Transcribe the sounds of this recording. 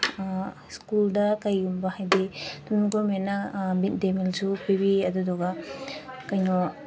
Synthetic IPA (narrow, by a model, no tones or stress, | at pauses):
skuldakajumbahajdit̪unɡɔmenamit̪̚demilzupibiɐd̪ud̪ɔɡa | kajnɔ